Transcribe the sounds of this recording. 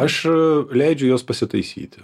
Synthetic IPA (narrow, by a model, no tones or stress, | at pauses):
ɐʃlʲɛɪd͡ʒʲʊjoːspɐsʲɪt̪ɐɪsʲḭːt̪ʲɪ